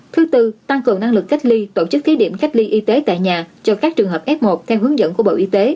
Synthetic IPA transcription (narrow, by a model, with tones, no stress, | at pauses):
t̪ʰɨ˨˦t̪ɨ˧t̪a˧ŋkɨ˨˩əŋna˧ŋlɨ˨˩kːa˦˥k̟̚li˧t̪o˧˩t͡ɕɨ˦˥k̚t̪ʰi˨˦ɗi˧˩əmka˦˥jk̚li˧ʔi˧t̪e˨˦t̪a̰ː˧˨jɲaː˨˩t͡ɕɔ˧kaː˦˥k̚t͡ɕɨ˨˩əŋɦəː˨˩p̚ʔɛ˦˥p̚mo˨˩t̚t̪ʰɛ˧wɦɨ˨˦əŋzə̰˧˨nku˧˩əɓo̰˧˨ʔi˧t̪e˨˦